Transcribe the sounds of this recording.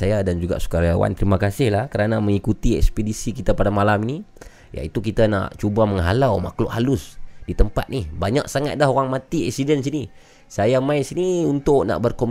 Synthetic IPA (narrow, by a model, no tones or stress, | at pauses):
sajadand͡ʒuɡa̰ʔsu̥kaɾajawa̰nt̪əɾimakasɪhlahkəɾanaməŋikut̪iɛ̰kspedisikit̪apadamalamini | ja̰it̪ukit̪ana̰ʔt͡ʃubaməŋɦalawmaklʊ̰ʔhalʊsdit̪əmpa̰t̪̚nihbaɲaksaŋat̪̚dahɦoɾaŋmat̪iɛksidɛns̬ini | sajamaisiniunt̪ʊʔna̰ʔbərkom